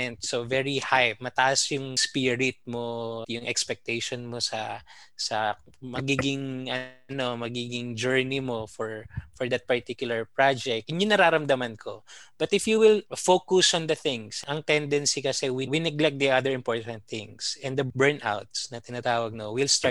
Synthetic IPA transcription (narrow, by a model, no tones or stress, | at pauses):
ɛnt̪sovɛɹihajmɐt̪ɐʔɐsjʊŋspiɹɪt̪̚mojʊŋʔɛ̰kspɛk̚t̪ɛjʃonmosɐsɐ | mɐɡiːɡɪŋɐno̞mɐɡiːɡɪŋd͡ʒɛɹnimo̞fɔɹfɔɹd̪ɐt̪̚pɐɹt̪ikjʊlɐɹpɹad͡ʒɛk̚t̪ŋjʊŋnɐɾaːɾɐmd̪ɐmɐnkʰo̞̰b̥ɐt̪ɪfjuwɪlfokʊsɔnd̪ɐθɪ̃ŋsɐŋt̪ɛnd̪ɛnsikɐsɛwiwinɛɡlɛk̚t̚d̪iad̪ɛɹɪ̃mpoɹt̪ɐ̃nt̪̚θɪŋsɛ̃nd̪ɐbɛɹna̰wt̪̚snɐt̪ɪnat̪aːwɐɡ̚nowɪlst̪a